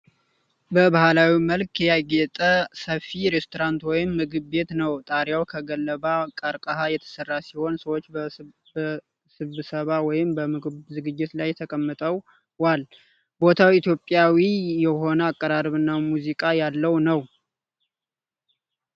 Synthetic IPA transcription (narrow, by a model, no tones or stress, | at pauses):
bəbahalawiməlkjɛjaɡɛt̪ʼəsəfiɾest̪ʰoɾant̪wɔjɪmːɨɡɨbːe̞t̪nəwt̪ʼaɾjawkʰəɡəlːəβakʼəɾkʼəhajɛt̪ʰə̥sərːasiho̞nsəwot͡ʃː | sɨβɨsəβawɔjɪmbəmɨɡɨβzɨɡɨd͡ʒːɪt̪lajːɛt̪ʰəkʼəmːɨt̪ʼəw | wal | bo̞t̪ʰawit̪ʰjo̞pʼːjawijɛɦo̞nəakʼːəɾaɾəβɨnːamuzikʼajalːəwnəw